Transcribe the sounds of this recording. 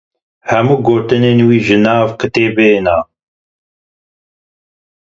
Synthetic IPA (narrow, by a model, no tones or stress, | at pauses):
hɛmuːɡoːt̪ɨneːnwiːʒɨnaːvkɨt̪eːbeːnaː